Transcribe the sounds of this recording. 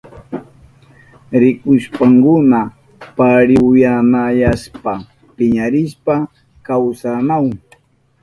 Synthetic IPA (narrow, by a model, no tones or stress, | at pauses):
ɾɪkʊʃpaŋkʊna | paɾɪwjamajaspa | pɪɲaɾɪspa | kawsamaw